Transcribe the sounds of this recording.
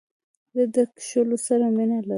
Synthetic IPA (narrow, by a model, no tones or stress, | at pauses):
d̪əd̪əkʃolosaɾaminala